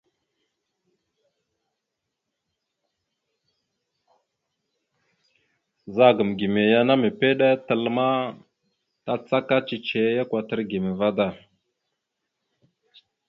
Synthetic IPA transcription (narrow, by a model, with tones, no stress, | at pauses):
za˦˨ɡə˨mɡi˨me˨ja˦na˦me˨pe˦ɗa˦tə˨lma˦ | ta˦t͡sa˦ka˦t͡ʃi˨t͡ʃe˨˦ja˦kwa˨tə˦ɾɡi˨me˨va˦da˨